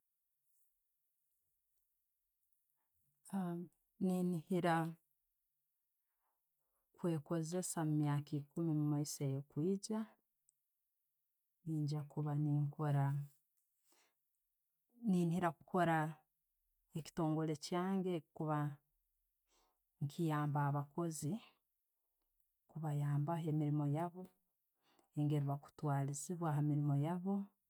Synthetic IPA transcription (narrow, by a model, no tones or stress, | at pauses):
ninihiɾa | kwe̞ːko̞ze̞samumjaːkikumimumaisejokwiːɟa | niːɲɟakuβaniŋkoɾa | niːnhiɾaku̥ko̞ɾa | eci̥to̞ːŋɡo̞le̞caːŋɡekuβa | ŋkʰijaːmbaaβako̞zi | kuβajaːmbaɦe̞miɾimo̞jaβo̞ | eŋɡe̞ɾuβaku̥twaːlisiβwaːɦamiɾimo̞jaβo̞